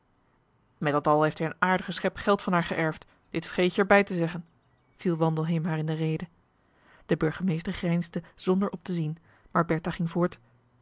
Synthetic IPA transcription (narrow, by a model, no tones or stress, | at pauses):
mɛtdɑtɑlˠɦejftɦɛjənaːɹdəχəsχɛpχɛlˠtfɑnɦaːɹχəʔɛɹft | d̥ɪtfəχejəɹbɛjtəzɛχən | v̥ilˠʋɑndəl̩ˠɦejmɦaːɹɪndərejdə | d̥əbɵɹχəmejstəɹχrɛjnzdəz̥ɔndəɹʔɔp̚təzin | maːɹbɛɹtaχɪŋvʊːɹt